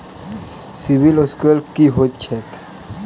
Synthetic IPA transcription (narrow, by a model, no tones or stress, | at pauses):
sibiloskəlkiɦot̪t͡ʃʰek